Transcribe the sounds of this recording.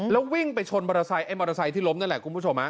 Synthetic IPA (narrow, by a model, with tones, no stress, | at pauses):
lɛ˦˥wwi˥˩ŋpa˧jt͡ɕʰo˧nmɔ˧ɾa˧sa˧jʔa˦˥˩mɔ˧ɾa˧sa˧jt̪ʰiː˥˩lo˦˥m̚na˥˩nlɛ˨˩kʰu˧npu˥˩o˧mha˦˥